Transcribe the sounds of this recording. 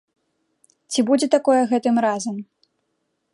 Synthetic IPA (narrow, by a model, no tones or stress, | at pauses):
t͡sʲibud͡zʲɛt̪akɔjɛɣɛt̪ɨmɾazɐm